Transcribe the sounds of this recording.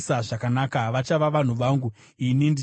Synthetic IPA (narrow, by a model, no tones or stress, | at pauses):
saʐakanakaʋat͡ʃaʋaʋan̤uʋaːŋɡu | inindi